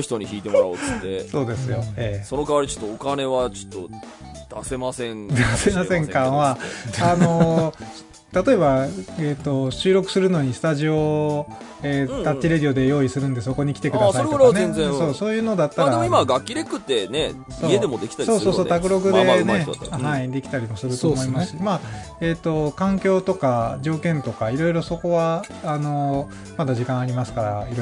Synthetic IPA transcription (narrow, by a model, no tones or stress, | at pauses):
çi̥t̪oɲiçḭːt̪e̞moɾaod̪eso̞ːd̪e̞sɨjo̞eːso̞nokaβaɾit͡ɕo̥t̪ːoːkane̞βat͡ɕo̥t̪ːo̰d̪̥ase̞masẽŋd̪ase̞masẽ̞ŋkãɰ̃βaano̞ | t̪at̪o̞e̞baet̪ːo̞ɕɨːɾo̞kɯ̟sɨɾɯ̟no̞ɲ̟isɨ̥t̪aʑio̞ | eːt̪at̪t͡ɕːiɾed̪ʲio̞d̪e̞jo̞ːisɨɾɯ̟̃nd̪e̞so̞ko̞ɲ̟ikʲi̥t̪e̞kɯ̟d̪asaitoneeẽso̞ːso̞ːjɯ̟ːno̞d̪at̪ːaɾaimaɡakʲːiɾekɯ̟t̪ːe̞ne | soed̪emod̪ekʲi̥t̪aɾso̞ːso̞so̞ːt̪akɯ̟ɾo̞ɡɯ̟d̪e̞neɦaid̪e̞kʲi̥t̪aɾʲimo̞sɨɾɯ̟t̪omoimasɨ̥ima | et̪ːo̞kãŋkʲo̞ːt̪o̞kaʑo̞ːkẽ̞nt̪o̞kaiɾo̞iɾo̞so̞ko̞βaː | no̞ | mad̪aʑikãɰ̃aɾʲimasɨ̥kaɾa̰iɾo